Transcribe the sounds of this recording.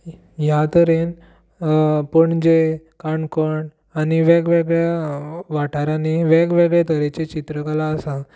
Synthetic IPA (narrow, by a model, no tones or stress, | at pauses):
jat̪əɾen | pəɳd͡ʑe | kaɳkəɳ | aniʋeɡʋeɡɭjaʋaʈaɾaneʋɛɡʋeɡɭet̪əɾet͡ɕet͡ɕit̪ɾəkalaːsa